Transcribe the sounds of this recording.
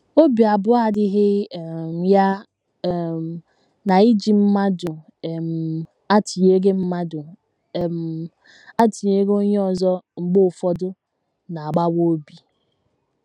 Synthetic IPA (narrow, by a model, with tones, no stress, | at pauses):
o˦bi˨a˨bʊ˦a˨dɪ˦ɦɪ˦˨m˨˦ja˦˨ | na˨i˦d͡ʒi˨m̩˦ma˦dʊ˨ | m̩˨ | a˦ti˨ɲe˦ɡe˦m̩˦ma˦dʊ˨ | m̩˨ | a˦ti˨ɲe˦ɡo˦ɲe˦ɔ˨zɔ˦ŋ͡m̩˨ɡ͡bo˦ʊ˨fɔ˦dʊ˦ | na˨a˨ɡ͡ba˦wo˦bi˨